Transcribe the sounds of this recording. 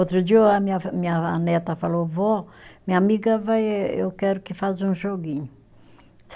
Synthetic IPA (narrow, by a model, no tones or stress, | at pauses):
ot̪ɾud͡ʒiwamimiaanɛt̪afalovɔmiamiɡavajewkɛɾukifazũʒoɡiɲu | s